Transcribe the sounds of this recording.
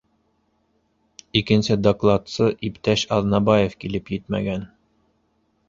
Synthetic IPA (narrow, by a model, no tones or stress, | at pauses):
ikɘ̆nsɘd̪oklˠɑt̪sɤʔipt̪æʃɑðnɑbɑjefkilɘpjɘt̪mæ̰ɡæn